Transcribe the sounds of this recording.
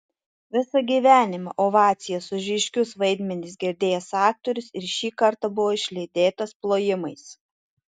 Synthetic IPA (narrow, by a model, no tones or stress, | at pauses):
ʋʲɪsɐɡʲiːʋʲæːnʲɪmɑ̰ʔoʋɑːt̪sʲɪjɛsʊʒʲɪʃʲkʲʊsʋɐɪd̪ʲmʲɛnʲɪs̬ɡʲɛɾʲd̪ʲeːjɛsɑːk̚t̪ɔɾʲʊsɪɾʃʲiːkɐɾt̪ɐbʊʋoːɪʃʲlʲɛɪd̪ʲeːt̪ɐsplˠoːjɪmɐɪs